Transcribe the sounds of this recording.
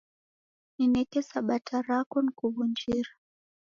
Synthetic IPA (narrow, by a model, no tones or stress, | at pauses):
ninɛkɛsaɓatʰaɾakɔnikuβund͡ʒiɾa